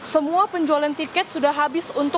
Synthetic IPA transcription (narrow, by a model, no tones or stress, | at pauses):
səmuapəɲd͡ʒualant̪ikɛt̪̚sudahɦabɪsunt̪ʊ